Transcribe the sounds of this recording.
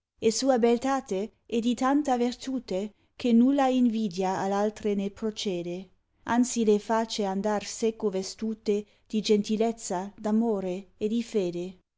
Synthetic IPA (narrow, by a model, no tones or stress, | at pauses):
esuːabelt̪aːt̪e | ɛd̪it̪ant̪avert̪uːt̪e | k̟enulːaiɱviːd̪jaalalt̪ɾenepɾot͡ʃeːd̪e | ant̪silefaːt͡ʃeand̪arsekːovest̪uːt̪e | d̪̥id͡ʒent̪ilɛt̪sːad̪amoːɾeːd̪ifeːd̪e